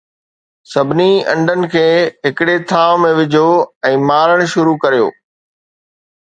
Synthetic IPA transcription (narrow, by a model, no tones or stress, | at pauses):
sɐbʱɪniɐ̰̃ɳɖʱənɪ̆kʰeːɦɪkɪɽet̪ʰaːʋmẽʋɪd͡ʑʱoɛ̃ːmaːɾəɽ̃̆ʃʊɾukɐɾijo̰ː